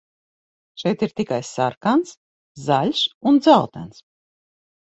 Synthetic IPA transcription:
ʃɛjt̪iɾt̪ikajsaɾkans | zalʲsund̪zalˠt̪æ̰ns

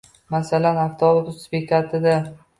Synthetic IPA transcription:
masalanaft̪ʰɒɾʊt̪ʰʊspekʰat̪ʰɪd̪a

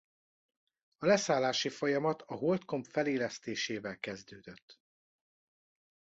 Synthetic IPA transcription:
ɒlɛsaːlːaːʃifojɒmɒt̪ɒɦolt̪ko̞mpfɛleːlɛst̪eːʃeːvɛlkɛzd̪øːd̪øt̪ː

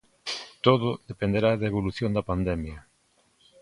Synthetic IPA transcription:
t̪oðʊðepend̪eɾaðaeβ̞oluθjond̪ɐpand̪ɛmjɐ

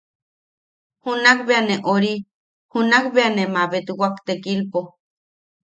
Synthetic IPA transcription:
hunakbeaneʔoɾi | hunakbeanemaβet̪ɨwakt̪ekilpo

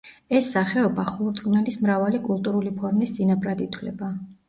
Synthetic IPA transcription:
ɛsːaχɛɔbaχuɾt̪ʼkʼnɛlismɾavalikʼulˠt̪ʼuɾulipʰɔɾmistd̪sʼinapɾad̪it̪ʰwlɛ̰ba

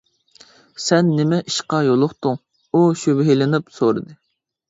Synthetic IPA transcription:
sɛnːɪmɛʔiʃqɑjolˠʊχt̪ʊŋ | uʃybɦelɪnɪpsoɾɨd̪ɨ

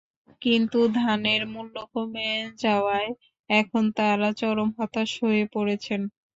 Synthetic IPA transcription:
kint̪ud̪ʱaneɾmulːokomɛd͡ʑaoae | ɛkʰont̪aɾat͡ɕɔɾomɦɔt̪aʃoepoɾet͡ɕʰen

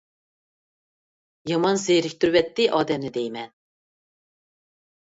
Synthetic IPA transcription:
jɑmɑnzejɾik̚ʲt̪yɾbɛt̪ːɪʔɑːd̪ɛmnɪd̪ejmɛn

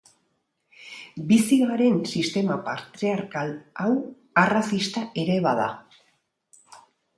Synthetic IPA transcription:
bisiɣaɾe̞nsist̪e̞mapaɾt̪ɾeaɾkalaw | arasist̪aʔe̞ɾe̞βaða̰

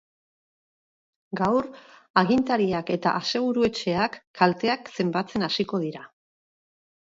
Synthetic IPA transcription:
ɡawɾaɣ̞int̪aɾiake̞t̪a̰ʔase̞ɣ̞uɾue̞t͡ʃe̞akːalt̪e̞akse̞mbat͡se̞nasiko̞ð̞iɾa

